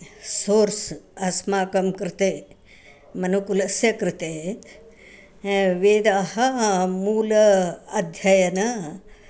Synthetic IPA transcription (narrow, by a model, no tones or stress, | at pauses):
soːɾsɐsmaːkɐmkɾɪt̪e | mɐnukulɐsjɐkɾɪt̪e | ʋeːd̪aːhɐmuːlɐɐd̪ʱjɐjɐnɐ